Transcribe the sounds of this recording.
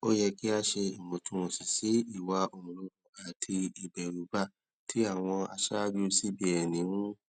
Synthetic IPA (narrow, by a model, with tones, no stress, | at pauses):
o˦jɛ˧ki˦a˦ʃe˧i˨mõ˨tũ˧˦mõ˨si˨si˨˦i˦˨wa˧o˨mũ˨lo˧˦ɡũ˨a˨tʰi˧i˨bɛ˨ɾu˨˦ba˦˨ | tʰi˦a˦˨w̃ɔ̃˧a̰˧ʃa˦d͡ʒo˦˧˦si˦bi˦ɛ˨nĩ˨˦nũ˦